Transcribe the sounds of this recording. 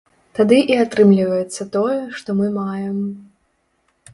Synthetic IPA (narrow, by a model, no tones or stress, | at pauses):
t̪ad̪ɨʔiat̪ɾɨmlʲivɐjɛt̪sːɐt̪ɔjɛʂt̪ɔmɨmajɛm